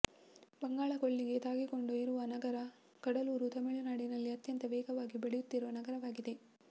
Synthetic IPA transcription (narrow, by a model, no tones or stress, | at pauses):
bɐŋɡaːɭɐkoɭːiɡe̞t̪aːɡiko̞ɳɖuiɾuʋɐnɐɡɐɾɐ | kɐɽɐluːɾut̪ɐmiɭunaːɽinɐlːiɐt̪jɐnt̪ɐʋɛːɡɐʋaːɡibeɭejut̪ːiɾuʋɐnɐɡɐɾɐʋaːɡid̪e̞